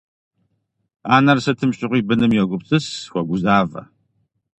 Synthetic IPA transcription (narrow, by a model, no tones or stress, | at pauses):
aːnɐrsɐtʰɨmɕʼɪʁʷiːbɨnɨmjɛɡʷʊpt͡sʼɨswʷɔɡʷʊzaːvɐ̰